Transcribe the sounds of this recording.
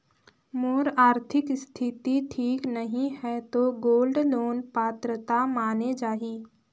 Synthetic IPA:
moːɾaːɾt̪ʰɪkst̪ʰɪt̪iʈʰiːknəɦĩɦɛt̪oɡoːlɖloːnpaːt̪ɾət̪amaːned͡ʒaːɦiː

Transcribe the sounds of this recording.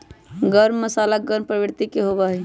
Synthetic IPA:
ɡəɾmːəsalaɡəɾmpɾəbɾt̪ikeɦobaɦɛ

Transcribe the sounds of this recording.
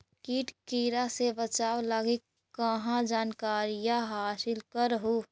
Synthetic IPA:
kiːʈkiːɾasebət͡ʃaːwlaːɡikː | əɦãd͡ʒaːnkaːɾijaɦaːsɪlkəɾəɦo

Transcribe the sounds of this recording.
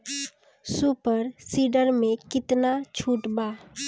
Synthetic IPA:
suːpəɾsiːɖəɾmẽkɪt̪nat͡ʃʰuːʈbaː

